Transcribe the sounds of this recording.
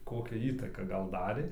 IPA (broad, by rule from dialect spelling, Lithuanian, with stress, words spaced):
ˈkoːkʲæː ˈiːtɐkɑː ˈɡɐlˠ ˈdɑːrʲeː